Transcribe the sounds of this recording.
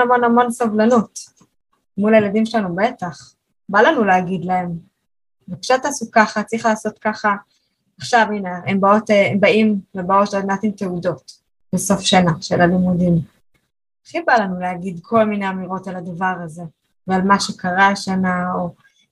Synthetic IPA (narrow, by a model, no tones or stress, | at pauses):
amo̞namo̞nsovlanut | mulajeladimʃelanube̞taχ | balanuleaɡid̪lae̞m | vepʃataːsukaχat͡sʁiχlaːso̞t̪kaχa | aχʃavinaembao̞teembaimvebao̞todnat̪imteudo̞t | beso̞fʃanaʃelalimudim | χibalanuleaɡid̪kʰo̞lmineamiʁo̞talad̪avaʁaze̞ | vealmaʃekaʁaʃanao